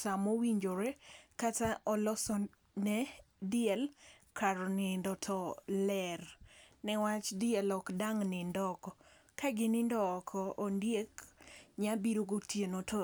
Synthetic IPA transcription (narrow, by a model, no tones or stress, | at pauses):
samowiɲd͡ʒoɾɛkataʔɔlɔsɔ | nɛdɪɛlkʰaɾɔnɪndɔtʰɔlɛrnɛwat͡ʃdɪɛlɔkdaŋnɪndɔkɔ | kaɡɪnɪndɔːkʰɔʔondjekɲabiɾoɡotjenotʰo